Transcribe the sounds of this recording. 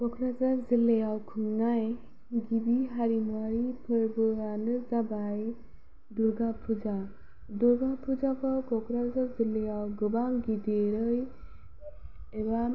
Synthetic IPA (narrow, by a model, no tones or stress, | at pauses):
ɡ̥ɔkʰɾazazilejawkʰɯŋnaj | ɡibiɦaɾimuwaɾipʰɯɾbɯanɯzabaj | duɾɡapʰud͡ʒa | duɾɡapʰud͡ʒakɔwkɔkʰɾazazilejawɡɯbaŋɡideɾɯj | eba